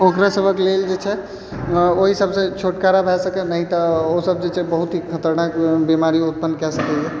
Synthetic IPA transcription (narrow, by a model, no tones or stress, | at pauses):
okɾasəbʱəkleld͡ʒet͡ʃʰɛ | oɦisəbsẽt͡ʃʰoʈkaɾabʱɛsəkɛnəɦit̪əosəb̚d͡ʒet͡ʃʰɛbəɦut̪ikʰət̪əɾnakbimaɾiut̪̚pənːkɛsəkɛt͡ʃɛ